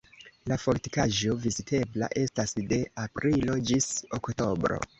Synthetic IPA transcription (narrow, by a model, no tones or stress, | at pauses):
lafo̞ɾti̥kaʒo̞vizitʰe̞bla̰ʔe̞stasde̞apɾilo̞d͡ʒisokto̞bɾo̞̰